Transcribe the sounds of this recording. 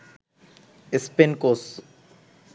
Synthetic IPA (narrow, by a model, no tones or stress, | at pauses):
espenkos